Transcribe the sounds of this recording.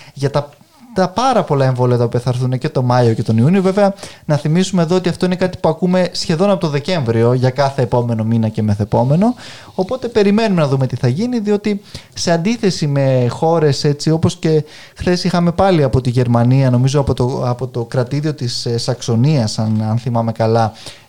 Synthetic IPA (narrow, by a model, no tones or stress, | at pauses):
ʝɐt̪ɐ | t̪ɐpɐɾɐpo̞lɐe̞ɱvo̞liɐt̪ɐopiɐθɐːɾθunece̞t̪o̞mɐio̞ce̞t̪o̞niuniove̞ve̞ɐnɐθimisume̞ːðoot̪iɐft̪o̞ine̞kɐt̪i̥puɐkume̞sçe̞ðo̞nɐpo̞t̪oðe̞ce̞ɱvɾio̞ʝɐkɐθe̞ːpo̞me̞no̞minɐce̞meθepo̞me̞no̞ː | po̞t̪e̞pe̞ɾime̞nume̞nɐðume̞t̪iθɐʝiniðio̞t̪ise̞ɐnd̪iθe̞sime̞xo̞ɾe̞se̞t͡sio̞po̞sce̞ | xθe̞sixɐme̞pɐliɐpo̞t̪iʝe̞ɾmɐniɐno̞mizoɐpot̪oɐpo̞t̪o̞kɾɐt̪iðio̞t̪issɐkso̞niɐsɐnɐnθimɐme̞kɐlɐ